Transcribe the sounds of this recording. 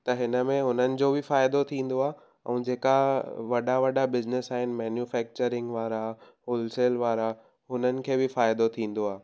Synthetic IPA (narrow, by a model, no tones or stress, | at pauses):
t̪ɐɦɪnəmẽɦʊnənɪ̆d͡ʑoːbʱɪfaːɪd̪ot̪ʰĩːn̆d̪oaː | ɛ̰̃ːd͡ʑeːkaʋɐɗaʋɐɖabɪznɪsaːɦɪnɪ̆mɛːnjufɛːk̚t͡ɕəɾɪ̃ŋɡʋaːɾa | ɦoːlseːlʋaːɾa | ɦʊnənɪ̆kʰeːbɪfaːɪd̪ot̪ʰĩːn̆d̪oaː